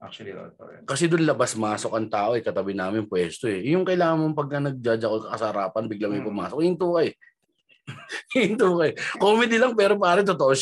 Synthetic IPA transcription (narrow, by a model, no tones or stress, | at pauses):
ʔak̚l̰t̪ːkɐsɛd̪ʊnlɐbɐsmaːso̞k̚ɐŋt̪aːʔo̞ɛkɐt̪ɐbɪnaːmɪnnpwɛːst̪oɛjʊŋkɐjlaːŋɐmɐŋpɐɡ̚kɐnɐɡ̚d͡ʒad͡ʒɐkoŋkɐkɐsɐhɾaːpɐnbɪɡlamojpɐma̰ːsokhɪnt̪uːkɐɛ | ɪnt̪uːkɐɛkoːmɪd̪ilɐŋpɛːɾopaːɾɐt̪ot̪oʔoʃ